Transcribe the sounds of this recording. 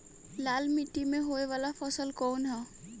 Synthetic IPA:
laːlmiʈːimẽɦoeʋaːlapʰəsəlkɔːnɦɛ

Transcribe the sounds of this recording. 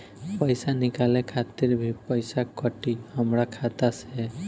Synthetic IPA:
pəjsanikalekʰat̪iɾbʱipəjsakəʈihəmɾakʰat̪asɛ

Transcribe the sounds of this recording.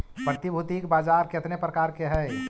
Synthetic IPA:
pɾət̪ibʱut̪ikbaːd͡ʒaɾkɪt̪nepɾəkaːɾkeɦɛ

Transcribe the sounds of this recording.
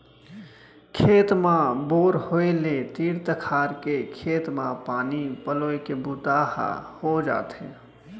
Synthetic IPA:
kʰeːt̪mãboːɾhoːelet̪iːɽt̪əkʰaːɾkekʰeːt̪mãpaːnipəloːekebʊt̪ahhod͡ʒa̰ːt̪ɦḛ̃

